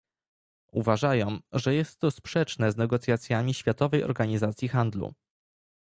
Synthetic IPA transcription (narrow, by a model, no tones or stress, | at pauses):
uvaʐajɔ̃w̃ʐɛjɛst̪ːɔspʂɛt͡ʂnɛznɛɡɔt̪sʲjat̪sʲjamʲiɕfʲjat̪ɔvɛjɔ̰ɾɡaɲizat̪sʲjixand̪lṵ